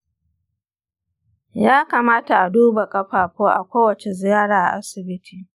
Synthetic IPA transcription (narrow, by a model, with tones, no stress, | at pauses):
jaː˦kaː˨maː˦ta˨ʔa˨duː˦ba˨kʼɐ˦ɸaː˨kʷoː˦ʔa̰˨kʷoː˦wɐ˨t͡ʃe˨zɪ˨jaː˦ɽaː˨ʔa˨ʔa˦sɪ˨bɪ˦tʰiː˨